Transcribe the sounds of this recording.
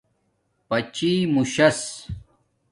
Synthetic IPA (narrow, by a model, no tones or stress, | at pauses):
pɐt͡ɕimuɕɐs